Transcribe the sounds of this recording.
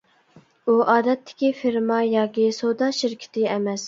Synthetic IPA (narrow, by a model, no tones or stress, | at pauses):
uʔɑːd̪ɛt̪ʰːɪ̥kʲifiɾmɑjɑːkʲisod̪ɑʃɪɾkʲʰɪ̥t̪ʰɪɛmɛs